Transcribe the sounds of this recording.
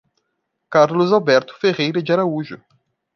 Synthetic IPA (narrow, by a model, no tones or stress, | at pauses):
kaɾlʊzawbɛɾt̪ʊ̥feʁejɾɐd͡ʒɪaɾauʒʊ̰